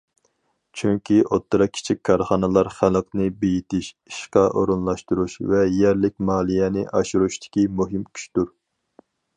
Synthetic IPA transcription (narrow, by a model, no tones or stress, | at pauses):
t͡ʃʰyŋkʲiʔot̪ʰːɨɾɑkʲʰi̥t͡ʃʰikʲʰːɑɾχɑnɨlˠɑɾχælˠqnɨbejit̪ɪʃ | iʃqɑʔo̰ɾunlˠɑʃt̪uɾuʃvɛjɛɾlɪkʲmɑːlˠijɛnɪʔɑʃuɾuʃt̪ʰɪ̥kʲimuɦɪmkʲʰy̥ʃt̪uɾ